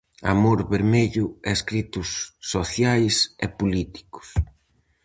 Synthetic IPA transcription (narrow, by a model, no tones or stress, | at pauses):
a̰moɾβeɾmeʎʊɛskɾit̪ʊsːoθjajsɛ̰pulit̪i̥kʊ̥s